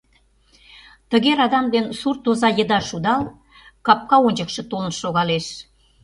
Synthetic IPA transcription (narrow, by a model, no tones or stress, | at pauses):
t̪ə̆ɣeɾɑd̪ɑmd̪ensurt̪ozɑjə̆d̪ɑʃud̪ɑl | kɑp̚kɑonʲd͡ʑəkʃɤ̆t̪olənʃoɣɑleʃ